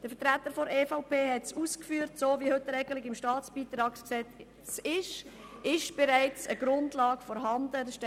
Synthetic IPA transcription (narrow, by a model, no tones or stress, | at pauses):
d̥əɾfətɾæt̪ːəɾfɔɾeːfaʊpʰeːhɛtsuːskfyːəɾtsoːvihɵtːəɛɪɡəlɪɡɪmʃtɑːt͡sb̥iːt̪ɾɑːksksɛt | sɪʃɪʃb̥ɛɾaɪt͡səɡ̥ɾʊndlɑːɡfɔɾɦɑnd̥ədəʃtɛ